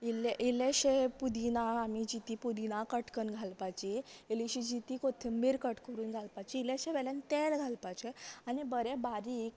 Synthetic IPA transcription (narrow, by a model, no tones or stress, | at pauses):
ileʔileɕepud̪inaamid͡ʑit̪ipud̪inakəʈkənɡʱalpat͡ɕiːliɕid͡ʑit̪ikot̪ʰəmbiɾkəʈkəɾuːnɡʱalpat͡ɕiːleɕeʋɛlant̪elɡʱalpat͡ɕeanibəɾebaɾiːk